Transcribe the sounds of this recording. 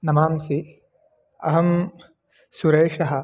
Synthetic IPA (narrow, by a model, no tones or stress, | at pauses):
nɐmaːmsi | ɐ̰ɦɐm | suɾeːʂɐɦɐ̆